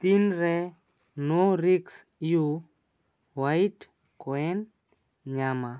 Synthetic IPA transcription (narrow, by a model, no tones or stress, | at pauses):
t̪inɾɛ | noɾiks | ju | wajt | kɔɛn | ɲama